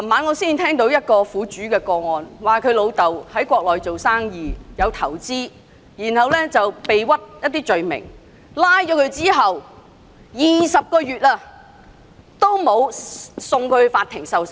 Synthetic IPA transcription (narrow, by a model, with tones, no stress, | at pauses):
la˨˩maː˨˧˥nŋɔː˨˧siː˥˩nt̪ʰɛː˥ŋt̪o˨˥wjɐ˥t̚kɔː˧fuː˨˧t͡ʃyː˨˥kɛː˧kɔː˧ŋɔː˨nwaː˨˩kʰɵ˨˧ɥlo˨˧wt̪ɐ˨whɐ˨˥jkʷɔː˧k̚lɔː˨˩jt͡so˨wsaː˥ŋjiː˨jɐ˨˧wt̪ʰɐ˨˩wt͡siː˥ | jiː˨˩nhɐ˨wlɛː˥t͡sɐ˨wpe˨jwɐ˥t̚jɐ˥t̪̚ːiː˥t͡ʃɵ˨ɥmɪ̰˨˩ŋ | laː˥jt͡ʃɔː˨˥kʰɵ˨˧ɥt͡siː˥ɦɐ˨w | jiː˨˩sɐ˨p̚kɔː˧ɥyː˨t̚aː˧ | t̪o˥wmo˨˧wsʊ˨ŋkʰɵ˨˧faː˧t̪ʰɪ˨˩ŋsɐ˨ws